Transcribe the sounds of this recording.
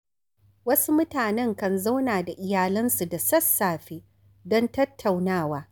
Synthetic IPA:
wɐ˦su˦mʊ˦taː˨nɛ˦ŋkɐ˨nza˦wnaː˨da˨ʔɪ˨jaː˨lɐ˦nsu˨da˨sɐ˦sːaː˨ɸeː˦ | dɔ˦ntɐ˦tʰːa˨wnaː˦˨waː˦

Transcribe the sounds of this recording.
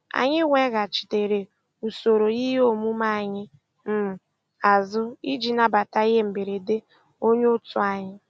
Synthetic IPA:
a̰˨ɲɪ˦ŋʷe˦ɣa˨t͡ʃi̥˨te˨ɾe˨ | u˨so˨ɾo˨ji˦ɦo˦mu˦ma˦a˨ɲɪ˦ | m̩˦˨ | a˨zʊ˦i˦d͡ʒi˨na˦ba˨ta˦ɪ˦ɦe˦m̩˨be˨ɾe˨de˦ | o˦ɲ˦ʊ˦tʊ˦a˨ɲɪ˦

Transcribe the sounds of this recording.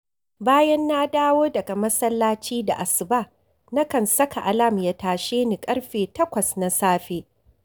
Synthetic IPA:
baː˦jɐ˦nːa˦daː˦woː˦dɐ˨ɡa˨mɐ˦sɐ˦lːaː˦t͡ʃiː˦da̰˨ʔa˨sɪ˨baː˦ | na˦kɐ˨nsɐ˦kʰa˨ʔa˨la˦˨mja˦taː˨ʃeː˦ni˨kʼɐ˦ɽɸeː˨tɐ˦kʷɐ˨sna˨saː˦ɸeː˦

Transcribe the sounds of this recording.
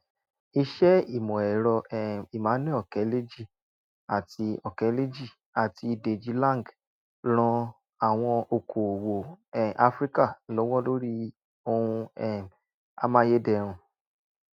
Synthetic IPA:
i˧ʃɛ˦i˦˨mɔ̃˨ɛ˨ɾɔ˧ɛ˨i˨mã˨˦nĩ˦ɔ˨kɛ˨˦le˦d͡ʒi˦˨ | a˨ti˧ɔ˨kɛ˨˦le˦d͡ʒi˦˨ | a˨ti˧˨de˨d͡ʒi˨˧lã˦˨ɡ | ɾ̃ɔ̃˧ | a˨w̃ɔ̃˧o˧kʰo˨wo˨ɛ˨ʔa˧˦fɾi˦ka˦˨lo˨˦wɔ̃˦lo˦ɾi˦ | o˧hũ˧ɛ˦˨ | a̰˦mã˦je˦dɛ˧˨ɾ̃ũ˧

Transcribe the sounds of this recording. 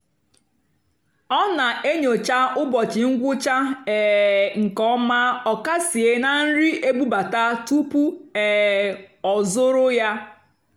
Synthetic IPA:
ɔ˦na˨e˦ɲo˨t͡ʃa˦ʔʊ˦bɔ˨t͡ʃɪ˨ŋ̩˦ɡʷʊ˦t͡ʃa˦ɛ˨ŋ̩˨kɔ˦ma˦ɔ˨ka˦si˨e˦na˨n̩˦ɾi˦ʔe˦bu˦ba˨ta˦tu˦pu˦ɛ˨ | ɔ˨zʊ˦ɾʊ˦ja˦

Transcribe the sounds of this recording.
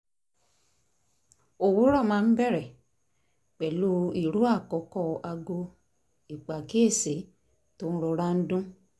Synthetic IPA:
o˨wu˨˦ɾɔ˦˨mãː˧˦n̩˦bɛ˦˨ɾɛ˨ | k͡pɛ˨lu˦i˦˨ɾu˨˦a˦˨kɔ˨˦kɔ˦˨˧ʔa˧ɡo˧ | i˨k͡pa˨ki˦e˦˨se˨˦ | to˦n̩˦ɾɔ˧˦ɾa˦n̩˦dũ˦

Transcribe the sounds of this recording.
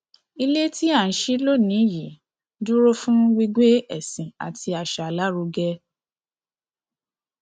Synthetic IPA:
i˧le˦ti˦a˦˨n̩˨˦ʃi˦lo˦˨nĩ˨˦ji˨˦ | du˦ɾo˦fũ˦ɡi˧ɡ͡be˦ɛ˦˨sĩ˨a̰˨ti˧a˨ʃa˨la˦ɾo˧ɡɛ˧

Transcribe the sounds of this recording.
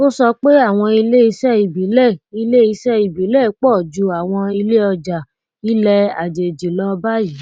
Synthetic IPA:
o˦sɔ˧k͡pe˦a˦˨w̃ɔ̃˧i˧le˦i˧sɛ˦i˨bi˨˦lɛ˦˨i˧le˦i˧sɛ˦i˨bi˨˦lɛ˦˨˦k͡pɔ˦˨d͡ʒu˨˧a˨w̃ɔ̃˧i˧le˦ɔ˧d͡ʒa˨ | i˦lɛ˧a˨d͡ʒe˨d͡ʒi˨lɔ˦ba˦ji˨˦

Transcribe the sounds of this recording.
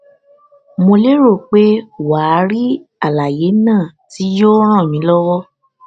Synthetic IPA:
mo˧le˦ɾo˦˨k͡pe˦wa˨˦ɾi˦a˦˨la˨je˨˦nãː˦˨ti˨˦jo˦ɾ̃ãː˦˨mĩ˨˦lɔ˦wɔ˦

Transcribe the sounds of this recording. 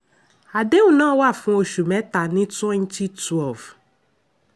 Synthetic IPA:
a˨de˦wu˨nã˦wa˦˨fʊ̃˦o˨ʃu˨mɛ̃˨˦t̪a˨nĩ˦tɛ̃˦n˦ti˦twɛ˦˨lv

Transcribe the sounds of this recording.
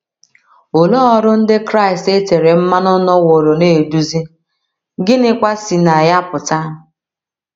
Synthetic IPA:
o˨lɔ˦ɔ˦ɾʊ˦n̩˦dɪ˦kɾa˦ɪ˨ste˦te˨ɾe˨m̩˦ma˦nɔ˦nɔ˦wo˨ɾo˨neː˦˨du˦zi˦ | ɡɪ˦nɪ˦kʷa˦si˨na˨ja˦pʊ˨ta˦˨

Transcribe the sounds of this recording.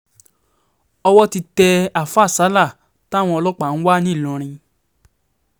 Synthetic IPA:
ɔ˧wɔ˦ti˧tɛ˧a˨fa˦˨sa˨˦la˦˨ | ta˦˨w̃ɔ̃˧ɔ˧lɔ˦k͡pa˨ñ̩˦wa˦nĩ˦˨lɔ̃˨˧ɾ̃ĩ˧

